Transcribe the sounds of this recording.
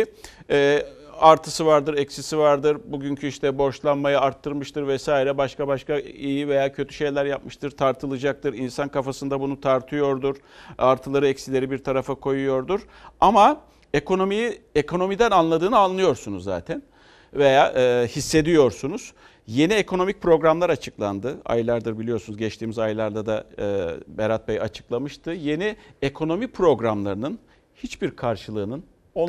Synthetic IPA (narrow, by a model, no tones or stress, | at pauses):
ɛː | aɾt̪ʰɯsɯvaɾd̪ɯɾɛcsisivaɾd̪ɯɾbuɟyɲcʰyiʃt̪ʰɛbo̞ʃlˠanmajaaɾt̪ʰːɯɾmɯʃt̪ʰɯɾvɛsaːiɾɛbaʃkabaʃkaijive̞jaːcʰø̞t̪ʰy̥ʃe̞jlʲæɾjapmɯʃt̪ʰɯɾt̪ʰaɾt̪ʰɯlˠɯd͡ʒak̚t̪ʰɯɾinsankʰafasɯnd̪abunut̪ʰaɾt̪ʰɯjo̞ɾd̪uɾ̥aɾt̪ʰɯlˠaɾɯɛcsilʲe̞ɾibiɾt̪ʰaɾafakʰo̞jujo̞ɾd̪uɾ | ama | e̞ko̞no̞mijiekʰo̞no̞mid̪ænanlˠad̪ɯːnɯanlːˠɯjo̞ɾsunuzːa̰ːt̪ʰæn | ve̞jaːʔhisːe̞d̪ijo̞ɾsunuz̥ | je̞niekʰo̞no̞mic̚pʰɾo̞ɡɾamlˠaɾat͡ʃʰɯklˠand̪ɯa̰jlˠaɾd̪ɯɾbilʲijo̞ɾsunuzɟɛt͡ʃt̪ʰiːmizajlˠaɾd̪ad̪aː | beɾat̪̚bɛja̰t͡ʃʰɯ̥klˠamɯʃt̪ʰɯje̞niekʰo̞no̞mipʰɾo̞ɡɾamlˠaɾɯnɯn | hit͡ʃbiɾkʰaɾʃɯlˠɯːnɯn